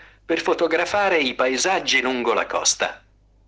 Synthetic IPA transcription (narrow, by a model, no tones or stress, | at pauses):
perfot̪oɡɾafaːɾeipaezad͡ʒːiluŋɡola̰kɔ̰st̪a̰